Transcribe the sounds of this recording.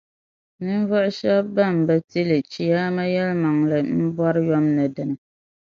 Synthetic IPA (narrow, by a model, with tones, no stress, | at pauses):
nɨ˦ɱ˦vɔ˦ʔʊ˦ʃɛ˦bːa˦˨m̩˨bɛ˦ti˦lɨ˨t͡ʃi˦jaː˦ma˦jɛ˦lma˨ŋlɨ˨m̩˦bɔ˦ɾɨ˦jɔ˦mnɨ˨dɨ˨nɨ˨